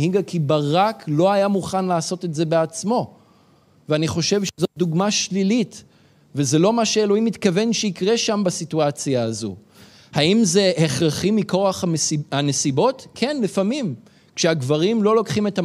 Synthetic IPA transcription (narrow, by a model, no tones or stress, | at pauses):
hiɡakʰibaʁaklo̞ajamuχanlaːso̞tetze̞beat͡smo̞ | veaniχo̞ʃe̞vʃezot̚d̪uɡmaʃlilit | vezelo̞maʃeelo̞imːit̪kave̞nʃeikʁe̞ʃambasituat͡sjaːzo̰ | haimze̞heχʁaχimiko̞aχaesiane̞sibo̞tkʰe̞nlifamim | kʃeaɡvaʁimlo̞lo̞kχime̞ta